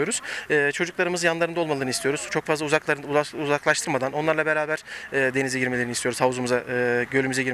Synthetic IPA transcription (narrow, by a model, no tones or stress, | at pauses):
o̞ɾuz̥ɯːt͡ʃʰo̞d͡ʒuklˠaɾɯmɯzjanlˠaɾɯnd̪olˠmalˠɯːnɯist̪ijo̞ɾuz̥t͡ʃʰo̞kfazauzak̪ˠauzaklˠaʃt̪ʰɯɾmad̪ano̞nlaɾlˠabeɾaːbæɾ̥ɛːd̪e̞nizɛɟiɾmee̞ɾnist̪ʰijo̞ɾuzavzumuzaɯːɟø̞lʲymyzɛɟiɾ